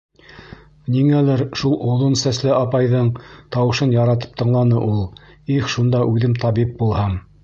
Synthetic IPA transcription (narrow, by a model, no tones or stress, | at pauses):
niŋælæɾʃulˠʔŏðonsæslɘɑpɑjðɤɴt̪ɑwɤ̆ʃɤnjɑɾɑt̪ɤ̥p̚t̪ɤ̆ɴlˠɑnɤʔulˠ | ixʃund̪ɑʔʉðɘmt̪ɑβip̚bulˠhɑm